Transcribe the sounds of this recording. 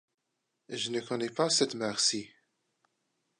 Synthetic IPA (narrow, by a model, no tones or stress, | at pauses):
ʒənəkɔnɛpasɛt̪mɛʁsi